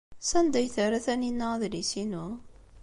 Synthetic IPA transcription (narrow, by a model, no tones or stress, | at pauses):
sænd̪æjθəɾæθæninːæðlisinu